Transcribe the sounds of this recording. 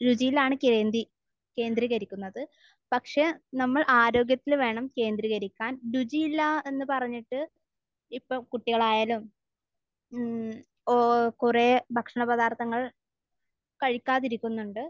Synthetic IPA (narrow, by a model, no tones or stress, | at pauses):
ɾud͡ʑijlaːɳɨkeːnd̪i | ke̞ːnd̪ɾiɣɐɾikʲːunːɐðɨ | pɐkʂe̞nɐmːɐɭʔaːɾo̞ːɡjɐt̪ːilʋe̞ːɳɐmke̞ːnd̪ɾiɣɐɾikʲːaːnɾud͡ʑilːɐe̞nːɨpɐrɐɲːiʈːɨ | ipːoːkuʈːiɣɐɭaːjaːlum | okurebʱɐkʂɐɳɐbɐðaːrt̪ɐŋːɐɭ | kɐɻikʲːaːðiɾikʲːunːuɳɖɨ